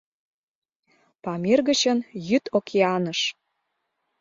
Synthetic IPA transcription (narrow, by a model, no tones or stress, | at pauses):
pɑmerɣə̆t͡ɕənjyt̪okʰeɑnəʃ